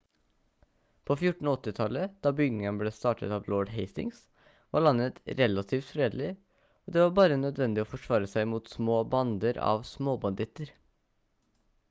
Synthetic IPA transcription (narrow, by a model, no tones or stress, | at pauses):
pʰoːfjʊʈɳ̩ɔt̪ːɪt̪ʰɑləd̪̥ɑːbʏɡnɪŋənbleːst̪ɑːʈə̰t̪ɑːʋlɔːɖɦeɪst̪ɪ̰ŋs | ʋɑ̰ːɭɑnːət̪ɾɛlɑt̪ʰiːft̪fɾeːd̪əl̩ɪ | oːd̪ɛːʋɑːɾbɑːɾənœd̪ʋɛnd̪ɪoːfɔʂʋɑːɾəsæɪmuːt̪smoːbɑnd̪əɾɑ̰ʋsmoːbɑnd̪ɪt̪əɾ